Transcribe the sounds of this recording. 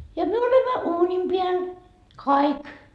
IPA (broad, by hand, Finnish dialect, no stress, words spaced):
jɑ myø olemːɑ uːnim piæl kɑik